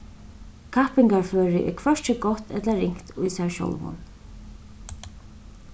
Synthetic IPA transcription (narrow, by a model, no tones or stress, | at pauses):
kʰapɪŋkaɹføːɾɪʔɪ̰kʰvœʂt͡ɕɪɡɔht̪ɛt̪laɾɪŋ̥kt̪ʊjsaɹʃɔ̰wlvʊ̰n